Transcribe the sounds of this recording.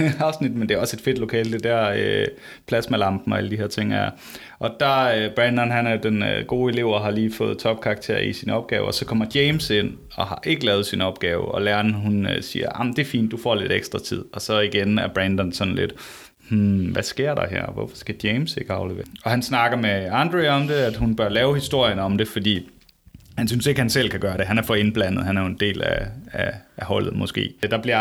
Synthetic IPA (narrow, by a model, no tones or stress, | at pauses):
ɑ̈ʊsnid̥mend̥e̝æɐɒ̽se̝d̥fe̝d̥lo̝kʰɛ̰ːld̥e̝d̥æɐ̰ø | pʰlæsmelɑ̈mb̥n̩ɒ̽æləd̥iheɐt͡sʰe̝ŋ̰æɐ | ʔɒ̽d̥ɑ̈øb̥ʁɛnd̥ɐnɦænæɐjd̥enøɡ̥o̝ːe̝le̝ʊ̰ɐɦɑ̈liːfɔ̽ːð̩ˠt͡sʰɒ̽b̥̚kʰɑ̈ːɡ̥̚t͡sʰe̝̰ɐ̰isinɒ̽b̥̚ɡ̥ɛ̰ːʊɒsɒ̽kʰɒ̽m̰ɐd̥jeɪmse̝n̰ | ɒ̽hɑ̈ʔe̝ɡ̥əlɛːðˠsinɒ̽b̥ɡ̥ɛːʊɒ̽læɐnəhunøsḭːɐ̰ʔɑ̈mn̩d̥e̝ɐfḭːnd̥ːufɒ̰ːle̝d̥eɡ̥sd̥ʁɑ̈t͡sʰið̞̰ˠɒ̽sɒ̽iɡ̥enæɐb̥ʁɛnd̥ɐn̩sɒ̽nle̝d̥ | mm̩ʋæsɡ̥e̝ɐ̰ɾɑ̈ɦæ̰ɐ̰ʋɒfɒ̥sɡ̥æd̥jeɪmse̝ɡ̥əɑ̈ʊleʋḛɐɒ̽hænsnɑ̈ɡ̥ɐmeɑnd̥ʁeɒ̽md̥e̝æd̥ɦunb̥ɶɐlɛːʊhisd̥o̝ɐ̰jənɒ̽md̥e̝fɒ̽d̥ḭː | hænsynseɡ̥hænsel̰kʰæɡ̥ɶːɐɾe̝ɦænæɐfɒ̽e̝nb̥læn̰ð̞̩ˠhænæɐjoe̝nd̥e̝̰ːlæ̰ææhɒ̽l̰ð̞̩ˠmɒ̽sɡ̥e̝̰ːd̥ɑ̈b̥liɐ